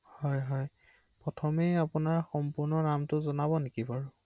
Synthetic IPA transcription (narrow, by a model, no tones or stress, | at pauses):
hɔjɦɔj | pɹɔtʰɔmejapʊnaɹxɔmpʊɹnɔnamtʊzɔnabɔnekipaɹʊ̃